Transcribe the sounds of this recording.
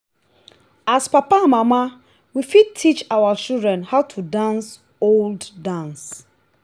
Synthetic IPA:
aspapamãma | wifid̚tʰit͡ʃawat͡ʃildɹɛ̃nhaʊtʰudãns | oldːãns

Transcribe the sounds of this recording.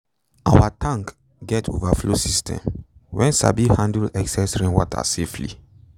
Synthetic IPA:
awatʰãŋk | ɡɛtʰo̰vaflosistʰɛ̰̃mwɛ̃nsa̰bihãndulɛksɛsɹĩnwɔtʰa̰seflḭ

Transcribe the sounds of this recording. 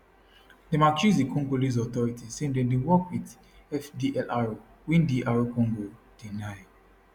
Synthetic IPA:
demat͡ʃizikʰɔ̃ŋɡoliz̬ɔt̪ɔɹitisẽndẽndiwɔkwit | ɛfdiʔɛlʔaɹo | wĩndiʔaɹokɔ̃ŋɡod̥inaɪ

